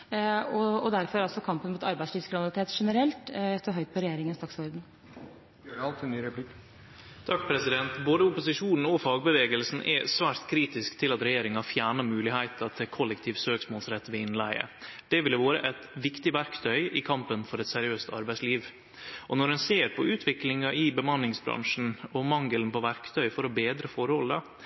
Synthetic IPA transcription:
ɔɔd̪æɾfɔɾɑlsɔkʰɑmpənmuːt̪ɑɾbæɪsliːʋskʰʋɪnɑlɪt̪ʰeːt̪ʂɛnəɾɛlt̪ɛt̪ːɔɦœʏt̪̚pʰɔɾɛjeːɾɪŋənst̪ɑksʋɔɾd̪n̩ː | ɑlt̪ʰnyːɾɛpʰlɪkː | t̪ʰɑk̚pʰɾɛsɪd̪ɛnt̪boːd̪əʊpʊsɪʂuːnn̩ɔfɑːɡ̚bəʋeːɡəlsn̩ʔɛ̰sʋæːɾt̪kʰɾiːt̪ɪskt̪ʰɪlɑt̪ɾɛjeːɾɪŋɑfjæːɳɑmʉːlɪhæɪt̪ɑt̪ʰɪkʰɔlːɛkt̪ʰiːʋsøːksmoːlsɾɛt̪ːʋɪlɪnlæɪə̰d̪̥ɛʋɪld̪ɛʋoːɾə̰ʔɛt̪ʋɪkt̪ɪʋæɾkt̪ʰœʏɪkʰɑmpənfɔɾɛt̪sɛɾɪøːst̪ɑ̰ɾbæɪsliːʋ | ʔɔnɔɾhɛnseːɾpʰɔʉːt̪ʰʋɪklɪŋɑʔɪbəmɑnɪŋsbɾɑ̰ŋʂn̩ɔmɑŋɡələn̩pɔʋæɾkt̪ʰœʏfɔɾɔbeːd̪ɾəfɔɾəhɔlə

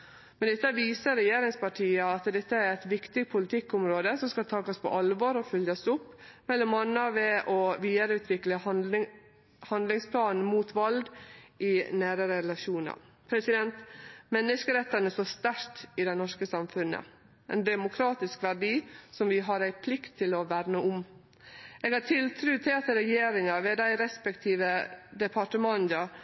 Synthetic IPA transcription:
mɛnd̪ɛt̪ːəʋiːsəɾɛjeːɾɪŋspɑʈʰiːəɑt̪d̪ɛt̪ːəæɾæɪt̪ʋɪkt̪ɪɡpʰʊlɪt̪ʰɪkːɔmɾoːd̪əsɔmskɑlt̪ʰɑːkɑspʰɔ̰ʔɑlʋoːɾɔfœljɑsʊpːmɛlːɔmɑnːɑʋɛʔɔʋiːd̪əɾəʉːt̪ʋɪklə | hɑnd̪lɪŋspʰlɑːnn̩muːt̪ʰʋɑlɡ̪ʔɪnæːɾəɾəɛlɑʂuːnɑ̰ɾ | pʰɾɛsɪd̪ɛnt̪mɛnːəʂkəɾɛt̪ːɑnəsɔst̪æɾtɪd̪ɛɪnɔʂkəsɑmfʉnːə̰ | ʔɛ̰ɪnd̪ɛmʊkʰɾɑːt̪ɪskʋæɖiːsɔmʋɪɦɑɾæɪpʰlɪkt̪ʰːɪlɔʋæɾnəʔʊm | eːɡhɑʈʰɪlt̪ʰɾʉːt̪ʰɛɑt̪əɾɛjeːɾɪŋɑʋɛd̪æɪɾɛspəkt̪ʰiːʋəd̪ɛpʰɑʈəmɑnd̪ɑ

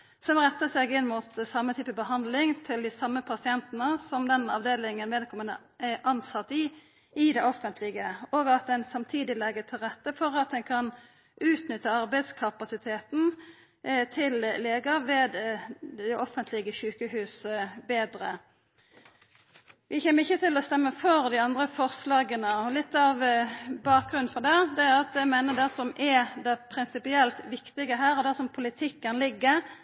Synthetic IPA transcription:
sɔmʁɛt̪ːəseːɡɪnːmuːt̪sɑmːət̪ʰyːpəbəɦɑnd̪lɪŋt̪ʰɪld̪ɪsɑmːəpʰɑsɪɛnt̪nəsɔmd̪ɛnɑ̰ʋd̪eːlɪŋənʋeːd̪̚kʰɔmənə | ɛʔɑnsɑt̪ːɪ | ɪd̪ɛɔfənt̪ʰlɪɡəoːɡɑt̪̚d̪ɛnsɑmt̪ʰiːd̪ɪlɛɡət̪ʰɪlʁɛt̪ːəfɔʁɑt̪̚d̪ɛnkʰɑn | ʔʉːt̪nʏt̪ːəɑʁbæɪd̪skʰɑpɑsɪt̪ʰeːt̪n̩ | t̪ʰɪlleːɡəɾʋeːd̪ | ɛʔɔfənt̪ʰlɪɡəɕʉːkəɦʉːsəbeːd̪ɾə | ʋʔɪçɛːmːəɾɪçːət̪ʰɪlɔst̪ɛmːəfɔɾd̪ɪɑnd̪ʁəfɔʁslɑːɡənəɔlɪt̪ːɑʋbɑːk̚ɡʁʉn̩fɔd̪ɛd̪ɛæɾɑt̪æmeːnəd̪ɛsɔmʔɛd̪ɛpʰɾɪnsɪpɪɛlt̪ʋɪkt̪ɪɡəɦæːɾɔd̪æsɔmpʰʊlɪt̪ʰɪkːənlɪɡːə

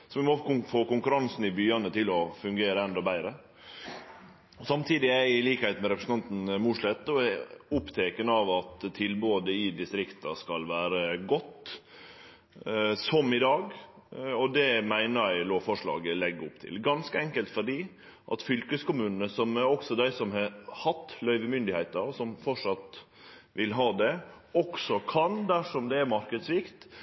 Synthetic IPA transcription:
sɔʋɪmɔʊfoːkʊŋkʉɾɑnsnɪbyːɑnət̪ʰɪlɔfʉŋɡeːɾəɛnd̪ɔbæɪɾə | ɔsɑmt̪ʰiːd̪ɪæɪliːkhæɪt̪mɛɾɛpɾəsn̩ʰɑnt̪n̩muːʂɭɛt̪ːɔæʊpt̪ʰeːkənəɑʋɑt̪t̪ʰːɪlboːd̪əɪd̪ɪst̪ɾɪkt̪ɑskɑlʋæːɾəɡɔt̪ː | sɔmɪd̪ɑːɡ | ɔd̪ɛmæɪnəɾæɪloːfɔʂɭɑ̰ːɡəlɛɡːʊpt̪ʰɪ̰lɡɑnskəɛŋkəlt̪fɔɖiː | ʔɑ̰t̪fʏlkəskʊmʉːnnəsɔmæɾɔksɔd̪æɪsɔmhɑhɑt̪ːlœʏʋəmʏnd̪ɪhæɪt̪əɾsɔmfɔʂɑt̪ | ʋɪlɦɑːd̪ɛ | ɔksɔkʰɑnd̪æʂɔmd̪ɛæɾmɑɾkəd̪sʋɪkt̪

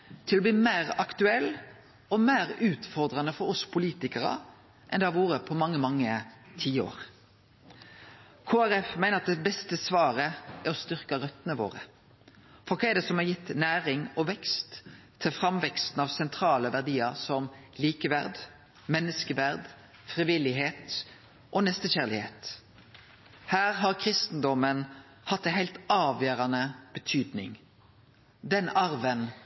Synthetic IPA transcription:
t̪ʰɪlɔbliːmæɪʁɑkt̪ʉɛlː | ɔmæɪʁʉːt̪fɔɾd̪ʁɑnəfɔɾɔspʰʊliːt̪ɪkəʁɑ̰ | ʔɛ̰nd̪ɛæʋuːɾəpʰɔmɑŋːəmɑŋːət̪ʰiːo̰ːʁ | kʰoːæɾɛfmæɪnəɾɑt̪̚d̪ɛbɛst̪əsʋɑːɾəæɾɔst̪ʏʁkɑɾœt̪nəʋo̰ːʁə̰ | fɔɾkʰɑːɛd̪ɛsɔmɑjɪt̪ːnæːɾɪŋɔʋɛkst̪ʰː | ɪlfʁɑmʋɛkst̪n̩ɑʋsɛnt̪ʰɾɑːləʋæʁd̪iːəɾsɔmliːkəʋæʁd̪ | mɛnːəskəʋæʁd̪ | fʁiʋɪlɪɦeːt̪ | ʔɔnɛst̪əçæʁlɪhḛːt̪ | hæːʁɦɑʁkʰɾɪst̪n̩d̪ɔmən | hɑt̪ːæɛnhæɪlt̪ɑːʋjøːɾɑnəb̥ət̪ʰyːd̪nɪ̰ŋ | d̪ɛnɑɾʋən

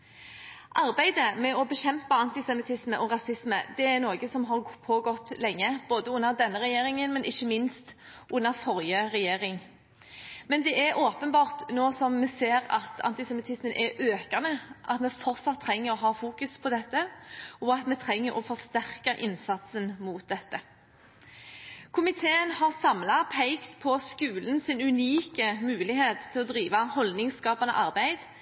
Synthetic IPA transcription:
ʔɑɾbæɪd̪əmɛɔbɛɕɛmpəɑnt̪ɪsɛmɪt̪ʰɪsməʔɔɾɑsɪsmə̰d̪ɛæɾnoːɡəsɔmɦɑʁpʰoɡɔt̪ːlɛŋːəboːd̪əʊnːəɾd̪ɛnːəɾɛjeːɾɪŋənmɛnʔɪçːəmɪnst̪ | ʔʊnːəɾfɔɾjəɾɛjeːɾɪŋ | mɛnd̪ɛʔæɾʔoːpənbɑːʁt̪noːsɔmːɛseːɾɑ̰t̪ʰɑ̰nt̪ɪsɛmɪt̪ʰɪsmənʔɛɾʔøːkɑnəʔɑt̪mɛfɔɾtsɑt̪ʰːɾɛŋːəɾɔɦɑːfuːkʉspʰɔd̪ɛt̪ːəɔɑt̪mɛt̪ʰɾɛŋːəɾʔɔ̰fɔʁst̪æʁkəʔɪ̰nsɑt̪sənmuːt̪̚d̪ɛt̪ːə | kʰʊmɪt̪ʰeːənhɑʁsɑmlɑpʰæɪkt̪pʰɔskʉːlənsɪnʉniːkəmʉːlɪheːt̪ʰːɪlɔd̪ɾiːʋɑhɔld̪nɪŋskɑːpɑnə̰ʔɑɾbæɪd̪

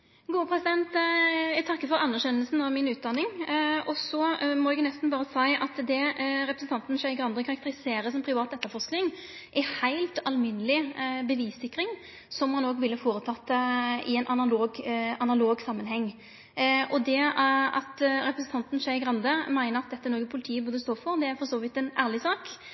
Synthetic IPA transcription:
ɡuːəpʰʁɛsɪd̪ɛnt̪jæɡt̪ʰɑkːəfɔɾɑnːæɕɛnːəlsn̩ɑʋmɪnʉːt̪̚d̪ɑnːɪŋɔsɔmɔɛɡnɛst̪n̩bɑːɾəsæɪʔɑt̪d̪ɛɾɛpɾəsn̩t̪ɑnt̪n̩ʃæɪɡʁɑnd̪əkʰɑɾɑk̚t̪əɾɪseːɾəsɔmpʰɾɪʋɑːt̪ɛt̪ːəɾfɔʂknɪŋ | ʔɛhæɪlt̪ɑlmɪnəlɪbəʋiːsɪkːɾɪŋ | sɔmhɑnoːɡʋɪlːəfoːɾət̪ʰɑt̪ːəɪ̰ɛɪnʔɑnɑloːɡɑnɑloːɡsɑmːənhɛŋː | ʔɔd̪ɛɑ̰t̪ɾɛpɾəsn̩t̪ʰɑnt̪n̩ʃæɪɡɾɑnd̪əmæɪnəɾɑt̪̚d̪ɛt̪ːənɔːɡəpʰʊlɪt̪ʰiːəbʊːd̪əst̪oːfɔɾd̪ɛæɾfɔʁsoːʋɪt̪ːɛnæːʁlɪsɑːk

